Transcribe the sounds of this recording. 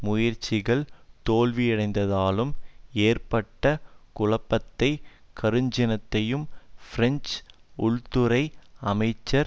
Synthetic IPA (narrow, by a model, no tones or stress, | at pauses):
mʊjɐɾt͡ʃːɪɣɐɭt̪oːlʋijɐɽɐɪnd̪ɐðaːlɯmeːrpɐʈːɐkʊlɐpːɐt̪ːɐɪ | kʰɐɾɯɲd͡ʒɪnɐt̪ːɐjɯmfɪɾɛnt͡ʃʊɭt̪ʊɾɐɪɐmɐɪt͡ʃːɐɾ